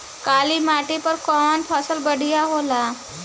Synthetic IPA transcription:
kaliːmaʈipəɾkɔnpʰɔsəlbəɽijaɦola

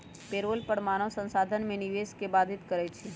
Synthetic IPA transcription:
peɾoːlpəɽmaːñosə̃nsaːd̪ʱənmẽniʋeskebaːd̪ʱɪt̪kəɾɛt͡ʃʰe

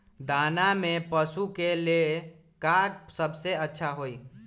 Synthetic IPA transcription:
d̪anamepəsukele | kaksəbseətːʃʰaɦoi

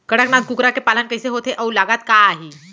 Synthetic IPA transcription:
kəɽəknad̪̚kukɾakepalankəjseɦot̪ʰeʔəulaɡat̪kaːɦi

